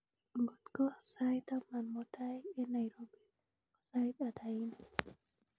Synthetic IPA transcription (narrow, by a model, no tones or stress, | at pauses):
ɡɔt̪kɔsajtamanmɔtʰajɛnajɾobi | ɔsajtat̪ʰajina